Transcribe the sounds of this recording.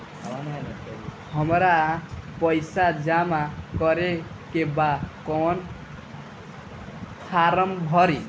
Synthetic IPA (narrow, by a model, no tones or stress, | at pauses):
n | hʌmɾapʌjsad͡ʒamakʌɾe | kebakɔn | pʰaɾʌmbʱʌɾi